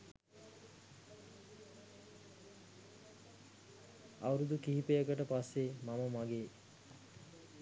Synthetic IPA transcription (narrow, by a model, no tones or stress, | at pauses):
awɾud̪ukiɦipejəkəʈəpasːemaməmaɡeː